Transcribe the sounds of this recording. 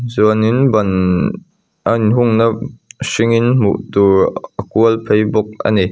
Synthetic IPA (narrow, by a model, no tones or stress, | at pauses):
zuənɪnbɐn | ʔɐnɦʊŋnɐsɪŋɪnmṵʔt̪uɹʔəkuəlpʰejbʊk̚ə̰ni